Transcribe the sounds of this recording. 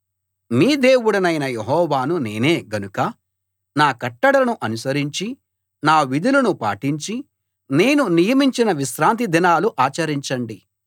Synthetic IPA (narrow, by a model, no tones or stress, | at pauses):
miːd̪e̞ːwuɽɐnɐjnɐjeɦɔːʋaːnune̞ːne̞ːɡɐnukɐ | naːkɐʈːɐɽɐɐnuʔɐnusɐɾiɲt͡ʃi | naːʋid̪ulɐnupa̰ːʈiɲt͡ʃi | ne̞ːnunijɐmiɲt͡ʃinɐʋiʃɾaːnt̪id̪inaːluʔaːt͡ʃɐɾiɲt͡ʃɐɳɖi